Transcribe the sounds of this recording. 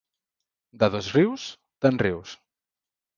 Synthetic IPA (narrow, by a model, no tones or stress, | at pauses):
d̪aðozriws | t̪anriws